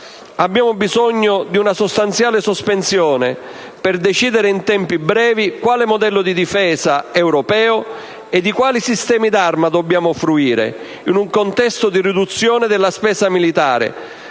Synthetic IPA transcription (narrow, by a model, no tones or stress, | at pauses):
abːjaːmʊbizɔɲːod̪iunasost̪ant̪sjaːlɪsospensjɔːne | perd̪et͡ʃiːd̪eɾeint̪ɛmpibɾɛːvikwaːlɪmod̪ɛlːod̪id̪ifɛːzaɛwɾɔpɛːʊ | ed̪ːikwaːlisist̪ɛːmid̪armad̪obːjaːmʊfɾuiːɾḛ | inuŋkont̪ɛst̪ʊd̪irid̪ut̪sːjɔːned̪ɪlːaspɛːsamilit̪aːɾɪ̰